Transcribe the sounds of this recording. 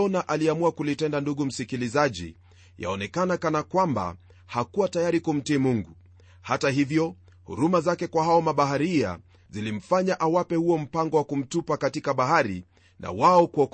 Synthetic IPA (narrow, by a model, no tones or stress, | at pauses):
ɔnaʔaliamuakulitɛndanduɠum̩sikilizaʄḭ | ja̰ɔnɛkanakanakwamba̰ | hakuwatajaɾikum̩tiːmuŋɡu | hatahivjɔ | hṵɾumazakɛkwaɦaɔmaɓaɦaɾia̰ | zilim̩faɲaʔawapɛhuɔm̩paŋɡɔwakum̩tupakatikaɓaɦaɾḭ | nʔa̰waɔkuɔk